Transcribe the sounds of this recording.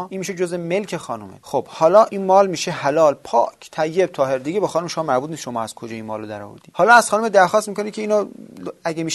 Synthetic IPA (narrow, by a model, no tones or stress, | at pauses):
iːnmiʃed͡ʒozeme̞lkʰexɒːnumḛxob̥hɒːlɒːʔiːnmɒːlmiːʃehælɒːlpʰɒ̰ːkʰt̪ʰæjːeb̚t̪ʰɒːhe̞ɾd̪iɡebexɒːnumeʃomɑːmæɾbut̪̚ʰnisʃo̞mɒːæz̥kʰod͡ʒɒːiːnmɒːlod̪æɾɔ̰ːvo̰ɾd̪iːhɒːlɒːæz̥xɒːnumed̪æɾxɒːst̪miːkʰonikʰeiːnoæɡemiːʃ